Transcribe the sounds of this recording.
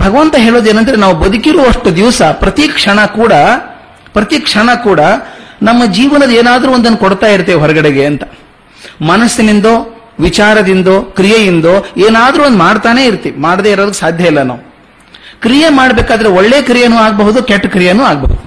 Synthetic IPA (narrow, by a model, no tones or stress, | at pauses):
bʱɐɡɐʋɐnt̪ɐɦe̞ːɭo̞ːd̪e̞ːnɐnd̪ɐɾenaːʋubɐd̪ukiɾuʋɐʂʈːud̪iʋsɐpɾɐt̪ikʂɐɳɐkuːɽɐ | pɾɐt̪ikʂɐɳɐkuːɽɐnɐmːɐd͡ʒiːʋɐnɐd̪eːnaːd̪ɾuːond̪ɐnːukoɽt̪aːjiɾt̪ːeʋɦɔɾɐɡɐɽeɡe̞ɐnt̪ɐ̥ | mɐnɐsːinind̪oː | ʋit͡ʃaːɾɐd̪ind̪oːkɾijɐjind̪oːeːnaːd̪ɾuːond̪umaːɽt̪aːne̞ːiɾt̪ːiʋimaːɽd̪eːiɾoːd̪ɐkːsaːd̪ʱjɐilːɐnɐ̰ːu | kɾijemaːɽbeːkaːd̪ɐɾeɔɭːeːkɾijɐnuːaːɡɐbɐɦud̪ukeʈːkɾijɐnuːaːɡɐbɐ̰ɦud̪uu